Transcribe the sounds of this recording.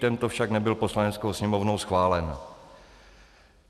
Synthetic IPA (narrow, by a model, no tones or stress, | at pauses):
t̪ɛnt̪ofʃaknɛbɪlpo̞slanɛt͡skowsɲɛmo̞vnowsxvaːlɛn